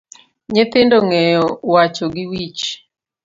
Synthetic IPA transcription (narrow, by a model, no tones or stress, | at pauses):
ɲet̪ɪndoŋɛjɔwat͡ʃoɡɪwit͡ʃ